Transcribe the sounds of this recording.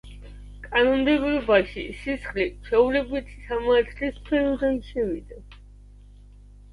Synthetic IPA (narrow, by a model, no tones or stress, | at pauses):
kʼanɔnd̪ɛbɾɔbaʃisisχlit͡ʃʰɛulɛbit̪ʰi̥samaat̪ʰlispʰɛɾɔd̪anʃɛvid̪a